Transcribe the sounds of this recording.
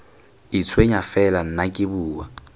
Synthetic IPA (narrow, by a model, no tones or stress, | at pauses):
ɪt͡sʰweɲafɛlan̩nakʼɪbuːwa̰